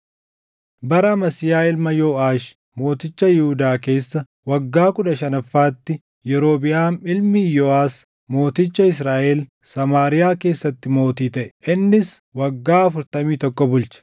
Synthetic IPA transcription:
bɐɾɐmɐsɪjaːɪlmɐjoːʔaːʃ | mo̞ːt̪ɪt͡ʃːɐjɪhʊd̪aːke̞ːsːɐ | wɐɡːaːkʊᶑɐʃɐnɐfːaːt̪ːɪ | jɛɾo̞ːbɪʔaːnɪlmijoːaːs | mo̞ːt̪ɪt͡ʃːɐɪs̬ɾaːʔeːl | sɐmaːɾɪjaːke̞ːsːɐt̪ːɪmo̞ːt̪iːt̪ɐʔɛ̥ʔɪnːɪs | wɐɡːaːɐfʊɾt̪ɐmiːt̪ɔkːɔbʊlt͡ʃɐ̥

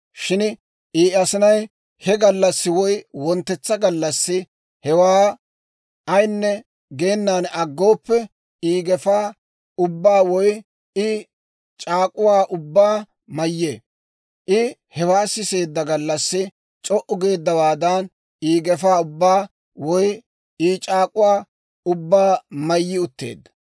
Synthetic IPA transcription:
ʃɪn | ʔiːɐsɪnɐj | hɛɡɐlːɐsːɪwɔjwɔnt̪ːɛt͡sːɐɡɐlːɐsːɪ | hɛwaː | ɐjnːɛ | ɡe̞ːnːaːnɐɡːo̞ːpːɛ | iːɡɛfaː | ʊbːaːwɔj | ɪ | t͡ʃʼaːkʼʊwaːʔʊbːaː | mɐjːeː | ʔɪhɛwaːsɪse̞ːd̪ːɐɡɐlːɐsːɪ | t͡ʃʼɔʔʊɡe̞ːd̪ːɐwaːd̪ɐn | iːɡɛfaːʊbːaː | wɔj | it͡ʃʼaːkʼʊwaː | ʊbːaːmɐjːɪʊt̪ːe̞̰ːd̪ːɐ̥

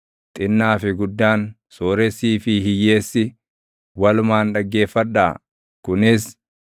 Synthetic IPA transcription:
t̪ʼɪnːaːfɪɡʊd̪ːaːn | soːɾɛsiːfɪɦɪjːe̞ːsːɪ | wɐlʊmaːnᶑɐɡːe̞ːfːɐᶑːaː | kʊnɪs

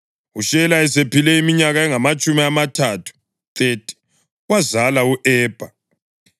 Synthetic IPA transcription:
uʃɛlaɛsepʰilɛimiɲaɣaɛŋamat͡ʃʼumiamatʰatʰu̥ | t̪ʼetʼi̥ | ɣwazalauʔɛːb̥ʱa

